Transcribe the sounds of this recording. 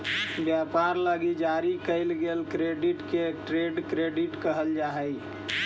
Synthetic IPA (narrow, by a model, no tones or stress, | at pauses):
bjapaɾləɡid͡ʒaɾikəɪlɡelkɾeɖiʈkeʈɾeɖkɾeɖiʈkəɦəld͡ʒaɦəj